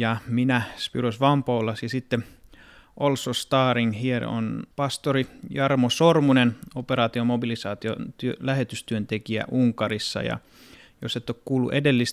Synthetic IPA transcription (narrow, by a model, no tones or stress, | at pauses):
jɑminæspyrosʋɑmpoːlːɑsjɑsit̪ːe | ʔolsost̪ɑːriŋhiel̰o̰npɑst̪orijɑrmosormunenopeɾɑːt̪iomobilisɑːt̪io̰t̪yølæhet̪yst̪yønt̪ekiæ̰ʔuŋkɑrisːɑ̰jɑ̰ | joset̪ːokkuːlːṵʔedelːist̪